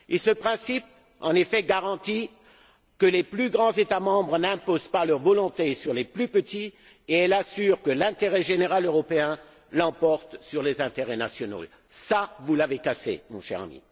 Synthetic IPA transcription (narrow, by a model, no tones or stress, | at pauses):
esəpχɛ̃sip̚ | ɑ̰̃nefɛɡaʁɑ̃t̪i | kəleplyɡʁɑ̃zet̪amɑ̃bʁənɛ̃pozpalœʁvɔlɔ̃t̪esyʁleplypət̪i | eɛlasyːʁkəlɛ̃t̪eʁɛʒeneʁaløʁɔpeɛ̃ | lɑ̃pɔʁt̪syʁlezɛ̃t̪eʁɛnasjɔno̰ | savulavekasḛmɔ̰̃ʃɛ̰ʁa̰mḭ